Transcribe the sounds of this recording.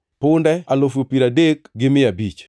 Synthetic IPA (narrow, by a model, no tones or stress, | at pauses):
pʊndɛalof̬opiɾadekɡɪmɪabit͡ʃ